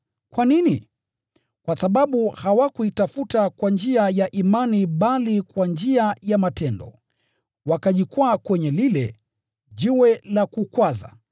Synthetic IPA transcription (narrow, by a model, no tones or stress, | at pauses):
kwanini | kwasaɓaɓuhawakuitafutakwand͡ʒiajaʔimaniɓalikwand͡ʒiajamatɛndɔ̰ | wakaʄikwakwɛɲɛlilɛ | ʄiwɛlakukwaza̰